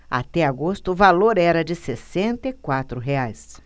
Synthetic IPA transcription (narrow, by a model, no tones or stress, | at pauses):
a̰t̪ɛaɡost̪ʊːvaloɾɛɾɐd͡ʒɪsesẽnt̪ɐikwat̪ɾʊɦeajs